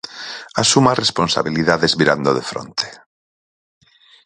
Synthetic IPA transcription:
asumaresponsa̰βiliðaðezβiɾand̪oðefɾo̰nt̪e̥

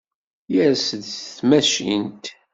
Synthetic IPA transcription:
jəɾsəd̪θmæʃḭnt̪

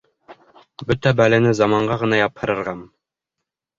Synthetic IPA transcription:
bɵt̪æbælɘ̆nɘzɑmɑɴɢɑʁɤ̆nɑjɑphɤ̆ɾɤ̆ɾʁɑm

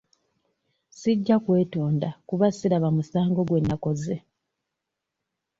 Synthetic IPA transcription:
siɟːakwe̞ːto̞ːndakuβasiɾaβamusaːŋɡo̞ɡwe̞nːako̞ze

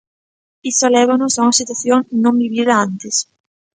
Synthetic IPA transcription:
isalɛβanosauŋɐsit̪̬waθjoŋnõmbiβiðaant̪es

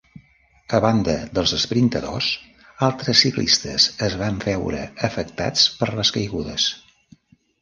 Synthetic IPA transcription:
əβand̪əðəlˠzəspɾint̪əðo̰s | alˠt̪ɾəsːiklḭst̪əzəzβaɱfɛwɾə̰əfəkt̪a̰t͡spəɾləskəjɣuðəs

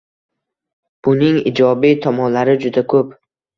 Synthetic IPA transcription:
b̥ʊnɪŋɪ̰d͡ʒɒbit̪ʰɒmɒnlaɾɪd͡ʒʊd̪akʰɵp

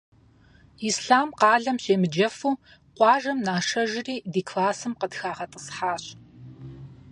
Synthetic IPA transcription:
isɬaːmqɑːɮɐmɕeːmɨd͡ʒɐfuː | qʷʼɑːʒɐmnaːʂɐʒɪriːdiːkʰlaːsɨmqədxaːʁɐtʼəsħaːɕ

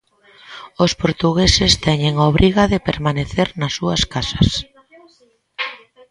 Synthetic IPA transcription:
ospoɾt̪uɣesɪst̪ɛɲeŋoβɾʔiɣaðɪpeɾmaneθeɾnɐsːuɐskasɐ̥s

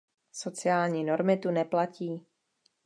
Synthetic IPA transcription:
so̞t͡sɪaːlɲiːno̞ɾmɪt̪unɛplaciː

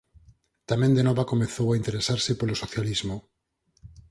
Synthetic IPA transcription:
t̪amẽnd̪enɔβakomeθowaint̪eɾesaɾsepolosoθjalizmo

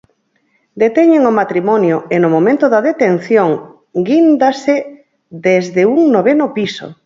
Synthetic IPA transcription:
d̪et̪ɛɲeŋomat̪ɾimɔnjoenomomẽnt̪oðaðet̪en̟θjoŋ | ɡind̪ase | d̪ezðeuŋnoβenopiso̰

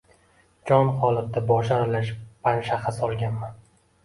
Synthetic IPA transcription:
d͡ʒɒnχɒlˠɨq̚t̪abɒʃaɾɪlaʃpʰanʃaχɨsɒlˠɡʲanman

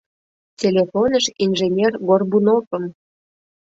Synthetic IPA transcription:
t͡sʲelʲefonəʃinʒenʲerɡorbunofəm

